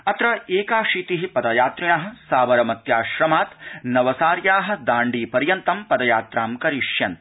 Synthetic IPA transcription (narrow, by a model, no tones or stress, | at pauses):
ɐt̪ɾɐeːkaːʂiːt̪iɦipɐd̪ɐjaːt̪ɾiɳɐɦɐ̆saːʋɐɾɐmɐt̪jaːʃɾɐmaːt̪nɐʋɐsaːɾjaːɦɐ̆d̪aːɳɖiːpɐɾjɐnt̪ɐmpɐd̪ɐjaːt̪ɾaːmkɐɾiʂjɐn